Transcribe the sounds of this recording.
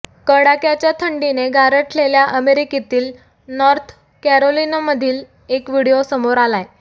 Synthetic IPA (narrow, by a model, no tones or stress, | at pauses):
kəɽakjat͡ɕjat̪ʰəɳɖineɡaɾəʈleljaʔəmeɾikit̪iːl | nɔɾt̪ʰ | kæɾolinaməd̪ʱiːl | ekʋiɽijosəmoɾalaj